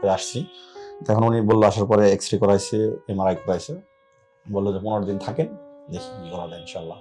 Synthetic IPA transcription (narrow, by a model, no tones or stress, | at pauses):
eaʃt͡ɕʰiɛkʰonunibolːoaʃaɾpɔɾeeksʈɾikɔɾajt͡ɕʰeemaɾajkɔɾajt͡ɕʰe | bolːod͡ʑepunoɾd̪int̪ʰakend̪ekʰiɡɔɾad̪ainʃaalːa